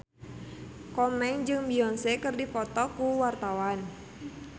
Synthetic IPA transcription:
kɔmɛŋd͡ʒɨŋbiɔŋsɛkɨrdifɔt̪ɔkuwart̪awan

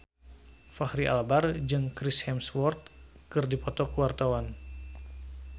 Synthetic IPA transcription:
fahɾiʔa̰lbard͡ʒɨŋkɾishɛmswɔrt̪̚kɨrdipɔt̪ɔkuwart̪awan

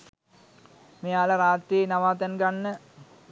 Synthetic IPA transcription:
mijaːlɐɾaːt̪ːinɐʋaːt̪ɐnɡɐɳːɨ

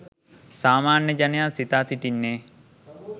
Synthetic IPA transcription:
saːmaːnːəd͡ʒanəjasit̪aːsiʈinːeː

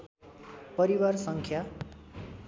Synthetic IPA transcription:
pʌɾiwarsʌŋkʰja

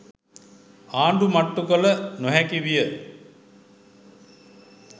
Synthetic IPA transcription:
aːɳɖumaʈːukələnoɦɛkiʋijə

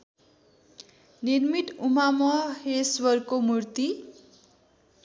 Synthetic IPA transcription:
nirmiʈ̪um̤amʌheswʌrkomurt̪i

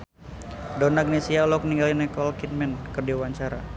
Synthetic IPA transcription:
dɔnaɡ̚nesialɔkniŋɡalinɛkɔlkit̪̚mɛnkɨrdiwaɲt͡ʃaɾa̰

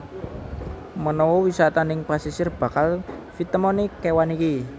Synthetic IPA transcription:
mənɔwɔwisat̪anɪŋpasisɪrb̥ä̤kalfit̪əmɔnekewaniki

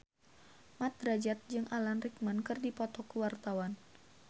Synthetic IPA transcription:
mat̪̚ɾad͡ʒat̪̚d͡ʒɨŋʔalanrikmankɨrdipɔt̪ɔkəwart̪awan

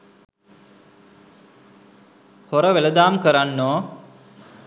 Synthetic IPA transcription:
hoɾəʋeləd̪aːmkəɾanːoː

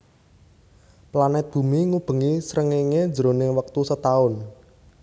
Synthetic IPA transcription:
planɛt̪̚b̥ṳmiŋub̥ə̤ŋisɾəŋeŋe̥d͡ʒəɾonɪŋwək̚t̪usət̪aʊn

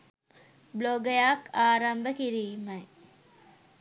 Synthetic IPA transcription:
bloɡəjaːkaːɾɐmbəkiɾiːmɐj

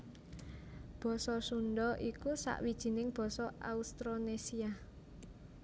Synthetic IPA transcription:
b̥ɔ̤sɔsuɳɖɔʔikusa̰ʔwid̥ʒ̥i̤nɪŋb̥ɔ̤sɔa̰ust̪ɾonesia

